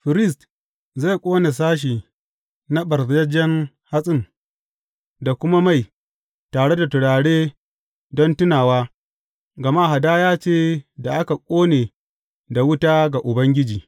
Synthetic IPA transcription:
ɸɪ˨ɾɪ˦˨st | za˦˨kʷʼoː˦ne˨s̬aː˦ʃ̬iː˨ | na˦ɓɐ˨ɾzjɐ˦d͡ʒɛ˦ŋ | ha˦sʼɪ˦n | da˨kʷʊ˦ma˦ma˦˨j | taː˨ɽe˦da˨tʊ˨ɽaː˨ɽeː˦ | dɔ˦ntʊ˦naː˨waː˦ | ɡɐ˨ma˦˨ɦa˨daː˦jaː˦t͡ʃeː˦da˨ʔa˦ka˨kʷʼoː˦neː˨ | da˨wʊ˦taː˦ɡa˨ʔʊ˨bɐ˦ŋɡʲɪ˦d͡ʒiː˨

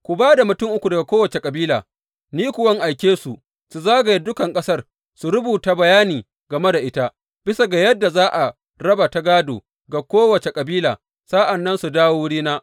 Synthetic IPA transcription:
kʷʊ˨baː˦da˨mʊ˨tʊ˦ŋʔʊ˦kʷu˨dɐ˨ɡa˨kʷoː˦wɐ˨t͡ʃe˨kʼɐ˨biː˦la̰ː˨ | niː˦kʷʊ˨wɐ˦ŋʔa˨jkʲeː˦su˨ | su˨zaː˦ɡa˨ji˦dʊ˦kɐ˨ŋkʼɐ˦sɐ˦r | su˨ɾʊ˦buː˨ta˨bɐ˨jaː˦niː˨ | ɡɐ˨me˦da˨ʔɪ˦ta˦ | b̥ɪ˦sa˨ɡa˨jɐ˦dːa˨zaː˦ʔa˨ | ɾɐ˦ba˨ta˦ɡaː˦do̰ː˨ | ɡa˨kʷoː˦wɐ˨t͡ʃe˨kʼɐ˨biː˦laː˨ | saː˦ʔa˨nːɐ˦nsu˨daː˦wo˦ɽiː˦naː˦

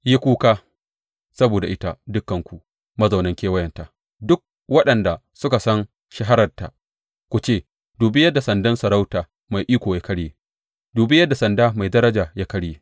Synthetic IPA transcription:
ji˦kʷuː˦kaː˦ | sɐ˦boː˨da˨ʔɪ˦ta˦dʊ˦kːɐ˨ŋkʷu˨ | mɐ˦za˨wnɐ˦ŋkʲeː˦wɐ˦jɛ˨nta˨ | dʊ˦k̚ | wɐ˦ɗɐ˨nda˨ | sʊ˦ka˨sɐ˦n | ʃɐ˦ɦa˦ɾɐ˨rta̰˨ | kʷu˨t͡ʃeː˦˨ | duː˨bɪ˦jɐ˦dːa˨sɐ˨ndɐ˦nsɐ˨ɾa˦wtaː˨ | ma˨jʔiː˦kʷoː˨ja˦kɐ˦ɽjeː˦ | duː˨bɪ˦jɐ˦dːa˨sɐ˨ndaː˦ma˨jdɐ˦ɾɐ˦d͡ʒaː˨jaː˦kɐ˦ɽjeː˦

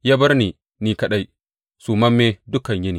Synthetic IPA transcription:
ja˦bɐ˦ɾniː˨ | niː˨kɐ˨ɗa˦j | suː˨mɐ˦mːeː˦dʊ˦kɐ˨ɲjɪ˦niː˨

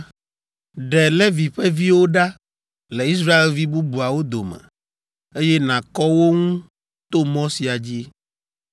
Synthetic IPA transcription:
ɖɛ˨le˦vi˨ɸɛ˦vi˦wo˦ɖa˦ | lɛ˨i˦s̬ɾa˦e˨lvi˦bu˦bu˨a˨wo˦d̪o˨mɛ̰̃˨ | e˦jɛ˦nã˨kɔ˦wo˦ŋũ˦ | t̪o˦mɔ̃˦si˨a˨d͡ʑi˦

